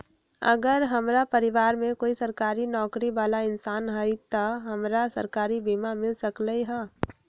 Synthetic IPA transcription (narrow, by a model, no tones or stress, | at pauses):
ə̰ɡəɾɦəmɾapəɾɪʋaːɾmẽkoːisəɾkaːɾinɔːkɾiʋaːlaɪnsaːnɦəjt̪əɦəmɾasə̰ɾkaːɾibiːmamɪlsəkləiɦɛː